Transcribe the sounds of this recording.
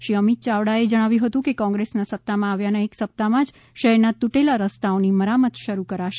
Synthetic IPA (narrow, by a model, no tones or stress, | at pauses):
ʃiəmit̪̚t͡ʃaʋɽaed͡ʒəɽ̃aʋjũɦət̪ũkekɔ̃ŋɡɾesnasəp̚t̪amãaʋjanəeksəp̚t̪amãd͡ʒ | ʃəɦɛɾnat̪uʈelaɾəst̪aoniməɾamət̪ʃəɾukəɾaʃe